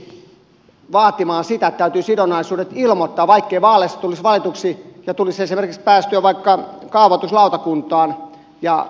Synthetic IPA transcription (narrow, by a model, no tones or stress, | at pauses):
ʋɑːt̪imɑːnsit̪æet̪t̪æyt̪yːsidonɑisuːdet̪ilmot̪ːɑːʋɑikːeiʋɑːlesːɑt̪ulisʋɑlit̪uksijɑt̪ulisesimerkikspæːst̪yøʋɑikːɑkɑˑuʋɑt̪uslɑˑut̪ɑkunt̪ɑːn | jɑ